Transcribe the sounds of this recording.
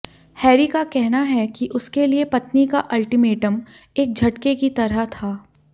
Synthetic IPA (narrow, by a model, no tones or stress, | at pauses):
hɛːɾikakɛɦnaɦɛkiʔʊskeliepɐt̪nikaʔɐlʈimeːʈəm | eːk̚d͡ʒʱɐʈkekit̪ɐɾəɦt̪ʰaː